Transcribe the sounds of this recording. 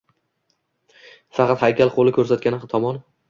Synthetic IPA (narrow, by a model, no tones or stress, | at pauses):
fɑqɑt̪hajkʲalqʰolˠɪkʰʲɵɾsat̪kʲanɪt̪ʰɒmɒn